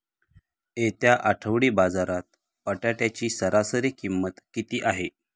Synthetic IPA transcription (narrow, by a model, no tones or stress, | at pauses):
et̪jaʔaʈʰəʋɽiːbad͡zaɾat̪̚ | pəʈjaʈjat͡ɕiːsəɾʔasəɾiːkimːət̪kit̪iːʔaɦe